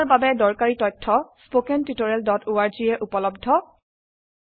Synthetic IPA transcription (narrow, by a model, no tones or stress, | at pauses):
ɹbabɛdɔɹkaɹitɔjtʰːɔspokɛntitoɹɛldɔtuaɹzijɛʔupɔlɔbdʱɔ